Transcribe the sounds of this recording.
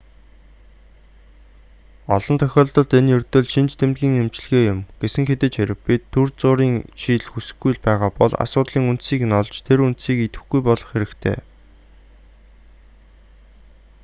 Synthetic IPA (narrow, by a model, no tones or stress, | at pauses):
ɔɮɞ̆nt̪ʰœxʲɔːɮt̪ɞ̆ɮt̪enjɵrt̪ɵ̆ɮʃint͡ɕt̪ʰemt̪̚ɡʲiːŋemt͡ɕ̆ɮɣeːjʊmɡ̥esɘ̆ŋxet̪eːt͡ɕʰeɾʲɪ̆kpit̪ʰːurt͡sʊːɾiːŋʃiːɮxusɘ̆xɡːujɮpæːʁaːpɔɮa̰sʊːt̪ɮiːŋun̥t̪siːknɔɮt͡ɕt̪ʰeɾunt̪siːkit̪ɘ̆xɡujpɔɮɞ̆χxeɾɘ̆kt̪ʰḛː